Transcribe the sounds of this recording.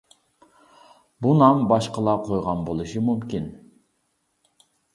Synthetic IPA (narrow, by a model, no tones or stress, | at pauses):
bunɑmbɑʃqɑlˠɑqʰojʁɑnbolˠuʃɨmymkʲin